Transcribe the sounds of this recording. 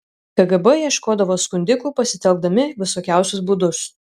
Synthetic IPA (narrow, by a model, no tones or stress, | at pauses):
kɐɡɐbɛjiɛʃkoːd̪ɐʋoːskʊnʲd̪ʲɪkuːpɐsʲɪt̪ʲɛlˠɡ̚d̪ɐmʲɪʋʲɪsoːkʲæˑʊsʲʊs̬buːd̪ʊs